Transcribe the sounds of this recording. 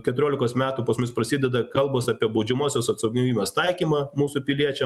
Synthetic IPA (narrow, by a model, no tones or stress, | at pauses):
kʲɛt̪ʊɾʲoːlʲɪkoːsmʲæːt̪uːpɐsmʊspɾɐsʲɪd̪ʲɛd̪ɐkɐlˠboːsɑːpʲiɛbɐʊd͡ʒʲɛmuɔsʲoːsɐt̪sɐʊɡʲɪʋʲiːmʲost̪ɐɪkʲiːmɑːmuːsupʲɪlʲiɛt͡ʃʲɛ